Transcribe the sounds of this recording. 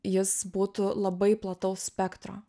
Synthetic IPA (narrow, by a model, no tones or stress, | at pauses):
jɪsbuːt̪ʊlˠɐbɐɪplˠɐt̪ɐʊssʲpʲɛkt̪ɾo̰ː